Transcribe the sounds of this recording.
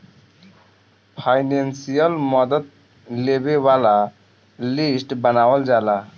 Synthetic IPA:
pʰajnensijalmɔd̪ɔt̪̚ | lebebala | lisʈbanawald͡ʑala

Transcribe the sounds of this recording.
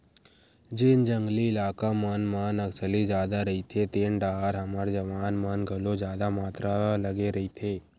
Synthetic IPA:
d͡ʒɪnd͡ʒə̃ŋɡliɪlaːkamənmənɐksəlid͡ʒjaːd̪aɾɐɦit̪ʰet̪eːnɖaːɦɾɦɐmaɾd͡ʒɐʋaːnmənɡʱɐlod͡ʒjaːd̪amaːt̪ɾalɐɡeɾɐɦit̪ʰeː

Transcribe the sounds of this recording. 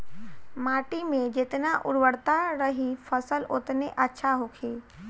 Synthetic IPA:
maːʈimẽd͡ʒɪt̪naʔʊɽwəɽt̪aɾəɦifɐsəlʊt̪neʔɐtːʃʰaɦoːkʰeː

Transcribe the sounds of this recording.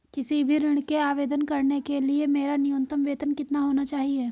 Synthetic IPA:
kɪsibʱiɾɪɽ̃keaːʋeːd̪ənkɐɾnekeliemeːɾanɪjõnt̪əmʋeːt̪ənkɪt̪naɦoːnat͡ʃaːɦieː

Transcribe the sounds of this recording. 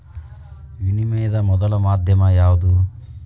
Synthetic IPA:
ʋinimejɐd̪ɐmɔd̪ɐlɐmaːd̪ʱjɐmɐjaːʋud̪u

